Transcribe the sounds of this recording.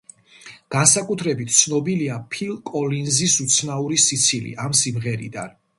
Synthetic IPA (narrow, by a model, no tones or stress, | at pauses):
ɡ̥ansakʼut̪ʰɾɛbit̪ʰt̪sʰnɔbiliapʰilˠkʼɔlinzisut̪sʰnauɾisit̪sʰilḭʔamsimʁɛɾḭd̪a̰n